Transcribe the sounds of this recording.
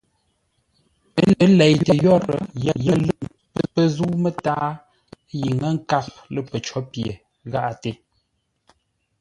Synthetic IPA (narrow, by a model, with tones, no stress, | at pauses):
ə˦lɛ˨jtə˨jɔ˦ɾə̰˨jɛ˨jə˨lə˦˨m | pə˦˨pə˦zu˦mə˦taː˦ | ji˨ŋə˦ŋ̩˦ka˦k̚ | lə˦˨pə˨t͡ʃɔ˦pje˨ | ɣa˦˨ʔa˨te˦˨